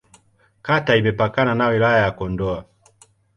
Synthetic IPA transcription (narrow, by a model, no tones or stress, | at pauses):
kataimɛpakananawilajajakɔndɔa